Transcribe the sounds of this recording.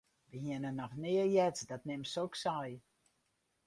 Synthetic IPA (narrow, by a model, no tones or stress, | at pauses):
ʋəhɪənənːɔxnɪəjɛtdɔtnɪmsoksɔj